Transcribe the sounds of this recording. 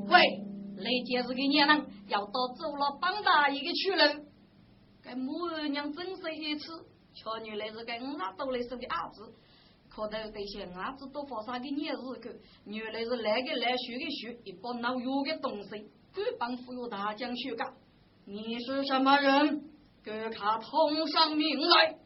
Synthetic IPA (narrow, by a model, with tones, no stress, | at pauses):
kwe˥˧˩le˧t͡ɕɛ˧t͡sɹ̩˧ki˧ɲɛ˥˧˨na˧ŋja˨˩wt̪ɔ˧t͡so˥˧wlɔ˧pa˥ŋt̪a˧i˧ke˧t͡ɕʰy˥˧lə˧w | ka˧jmu˧˥ə˧ɲja˧ŋt͡sə˥ŋse˧i˧t͡s̩ʰ˥˧ | t͡ɕʰɔ˧ɲy˨le˧t͡s̩˧ka˧jŋ̩˧la˧˥t̪o˧wle˧jsə˧ke˧ʔa˨˩t͡sɹ̩˧ | kʰɔ˨˧˩t̪ə˧t̪e˨˩ɕɛ˨˩ŋa˨˧˦t͡sɹ̩˧t̪o˧fɔ˧˩sa˧k̬i˧ɲjɛ˥˧zɹ̩˧kʰə˧˩ | ɲy˨˩le˧t͡s̩˧lɛ˧ke˧lɛ˧ɕy˧˥ke˧ɕy˧˥i˨˩pɔ˧na˧wju˧ɡe˧t̪ʊ˨˩ŋse˧ | ku˥pa˧˥ŋfu˧ju˧˩t̪ʰa˨˧˦t͡ɕja˧ŋt͡ɕʰy˥˧ka˧ | ni˨˩ʂ̩˧ʂa˧ma˧ɻə˧˦n | kə˧˩kʰa˨˩t̪ʰʊ˧ŋʂa˥˧ŋmi˧ŋ̩˥˧la˧˥j